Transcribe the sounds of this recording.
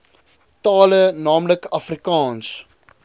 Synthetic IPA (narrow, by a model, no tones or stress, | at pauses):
tɑːlənɑːmləkɐfrikɑːns